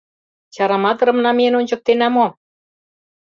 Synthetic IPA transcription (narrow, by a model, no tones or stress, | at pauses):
t͡ɕɑɾɑmɑt̪ɤ̆ɾɤ̆mnɑmenonʲt͡ɕɤ̆k̚t̪enæmo